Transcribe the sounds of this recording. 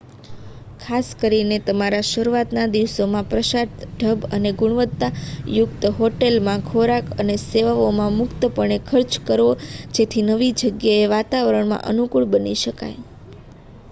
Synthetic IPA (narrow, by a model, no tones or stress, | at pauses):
kʰaskəɾinet̪əmaɾaʃəɾuʋat̪nad̪iʋsomãpɾəʃaɾt̪ɖʱəbə̰neɡʊɳʋət̪ːajʊkt̪ɦoʈelmãkʰoɾakəneseʋaomãmʊkt̪əpəɳ̃ekʰəɾt͡ʃkəɾod͡ʒet̪ʰinəʋid͡ʒəɡjaeʋat̪aʋəɾəɳmã̰ʔə̰nukuɭbəniʃəka̰j